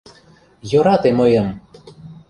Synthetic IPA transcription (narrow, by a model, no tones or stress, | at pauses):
joɾɑt̪emɤjɤ̆m